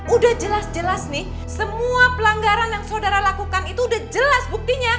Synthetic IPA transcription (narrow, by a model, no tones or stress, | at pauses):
udahd͡ʒəlasd͡ʒəlasnih | səmuapəlaŋɡaɾanjaŋsaodaɾalakukanit̪uːdahd͡ʒəlasbuk̚t̪iɲa